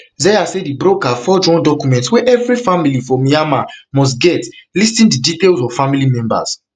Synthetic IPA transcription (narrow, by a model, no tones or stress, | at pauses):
zɛjasedibɹokafɔd͡ʒɔ̃ndɔkumɛ̃ntwɛʔɛvɹifamilifɹɔ̃miamamɔs̬tɡɛtlistĩndiditelzɔv̥familimɛ̃mba̰z̥